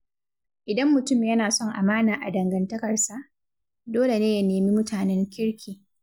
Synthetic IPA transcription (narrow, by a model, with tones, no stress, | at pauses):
ʔɪ˨dɐ˦mːʊ˨tʊ˦˨mjɐ˦naː˨sɔ˦˨ŋʔa̰˨maː˦naː˨ʔa˨dɐ˨ŋɡɐ˨ntɐ˦kɐ˨rsa˨ʔ | doː˦le˨neː˦ja˦neː˨mi˦mʊ˦tʰaː˨nɛ˦ŋkʲɪ˦ɽkʲʰiː˨